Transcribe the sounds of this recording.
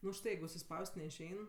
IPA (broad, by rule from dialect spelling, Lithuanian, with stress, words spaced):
nʊ ʊʃˈtɐɪ jɛɪɡʊ ʊʃʲsʲɪˈspɐʊsʲtʲ nʲɛɪʃʲˈɛɪn